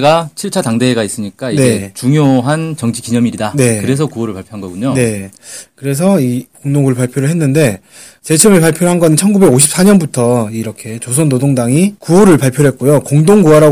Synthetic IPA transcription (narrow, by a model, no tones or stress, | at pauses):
ɡat͡ɕʰiɭt͡ɕʰataŋdeeɡais͈ɯɲik͈aine̞et͡ɕuŋjoɦant͡ɕʌŋd͡ʑikiɲʌmiɾidane̞kɯɾe̞sʰʌkuoɾɯɭpaɭpʰjoɦanŋɡʌɡuɲone̞kɯɾe̞s̬ʰʌikoŋdoŋɡuɾɯɭpaɭpʰjoɾɯɭɦe̞nːɯnde̞ | t͡ɕet͡ɕʰʌʌmepaɭpʰjoɾoɦanɡʌnɯnt͡ɕʰʌnɡube̞ɡoɕʰip̚s͈aɲʌnbutʰʌiɾʌkʰe̞t͡ɕos̬ʰonːodoŋdaŋikuoɾɯɭpaɭpʰjoɾɦe̞t̚k͈ojokoŋdoŋɡuwaɾa